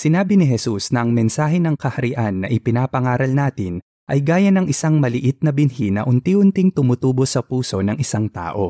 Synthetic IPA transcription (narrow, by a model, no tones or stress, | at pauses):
sɪnaːbɪnɪɦɛsusnɐʔɐŋmɛnsaːɦɛnɐŋkɐhɐɾɪʔanːɐʔɪpɪnaːpɐŋaːɾɐlnaːt̪ɪn | ʔɐjɡaːjɐnɐŋʔɪsaŋmɐlɪʔɪt̪̚nɐbɪnhinɐ̰ʔʊnt̪iʔʊnt̪ɪŋt̪ʊmʊt̪uːbo̞sɐpuːso̞nɐŋʔɪsaŋt̪a̰ːʔo̞